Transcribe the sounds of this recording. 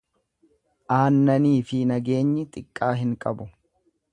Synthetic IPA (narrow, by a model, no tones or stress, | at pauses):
ʔaːnːɐniːfɪnɐɡe̞ːɲːɪt̪ʼɪkʼːaːɦɪŋkʼɐ̰bʊ